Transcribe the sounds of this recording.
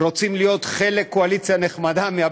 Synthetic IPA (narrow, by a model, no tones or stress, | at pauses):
ɾo̞t͡simlijo̞t̪χe̞le̞kːoalit͡sjane̞χmad̪amea